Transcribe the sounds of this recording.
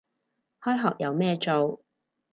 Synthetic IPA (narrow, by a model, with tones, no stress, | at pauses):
hɔː˥jɦɔː˨k̚jɐ˨˧wmɛː˥˧t͡ʃo˨w